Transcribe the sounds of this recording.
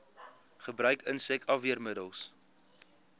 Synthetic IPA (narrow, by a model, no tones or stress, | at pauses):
χəbrœɥkənsɛkɐviərmədəlˠs